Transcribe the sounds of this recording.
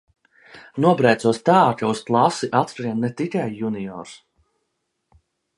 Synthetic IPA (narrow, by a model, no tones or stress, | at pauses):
nuɔbɾɛjt̪suɔst̪aːkausklˠasiʔat̪ɾɾiɛnːɛt̪ikʲajːunijɔ̰ːɾs